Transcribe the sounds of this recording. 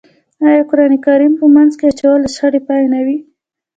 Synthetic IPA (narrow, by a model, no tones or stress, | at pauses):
ɑjɑkʊɾɑnikaɾimpəmanzkeat͡ʃawɑld̪əʃxaɽepɑjenawi